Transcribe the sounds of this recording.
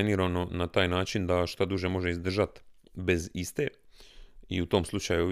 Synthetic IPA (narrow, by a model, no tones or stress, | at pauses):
niːɾano̞nat̪aːjnaːt͡ʃind̪aʃt̪ad̪uʒe̞mo̞ʒe̞izd̪r̩ʒat̪ | be̞zist̪e̞ | iut̪o̞ːmslˠut͡ʃaju